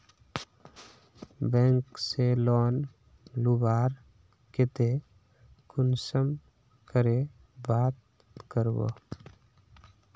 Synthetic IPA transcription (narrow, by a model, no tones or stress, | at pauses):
bɛ̃ːŋkselɔːn | lubaːɾ | ket̪e | kʊnsəm | kəɾe | baːt̪̚ | kəɾbo̰